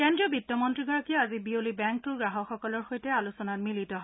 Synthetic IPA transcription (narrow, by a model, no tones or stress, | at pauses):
kendɹiɔbitːɔmɔntɹiɡɔɹakiɔazibiolibɛŋk̚tuɹɡɹaɦɔxɔkɔlɔɹxojtɛalusɔnatmilitɔɦ